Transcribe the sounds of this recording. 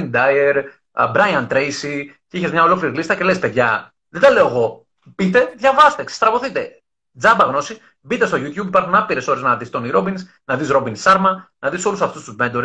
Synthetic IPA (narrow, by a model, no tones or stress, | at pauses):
nd̪ɐjeɾ | bɾɐjɐnt̪ɾejsiciçezmɲɐo̞lo̞kliɾilist̪ɐce̞lespe̞ðʝɐ | ðed̪ɐle̞oɣo̞ | b̥it̪e̞ðʝɐvɐst̪e̞sst̪ɾɐvo̞θit̪e̞ | d͡zɐbɐɣno̞si | bit̪est̪oʝut̪çubipɐɾxunɐpiɾe̞so̞ɾeznɐðist̪o̞niɾo̞bins | nɐðisɾo̞binsɐɾmɐnɐðiso̞lusɐft̪ust̪uzmend̪oɾ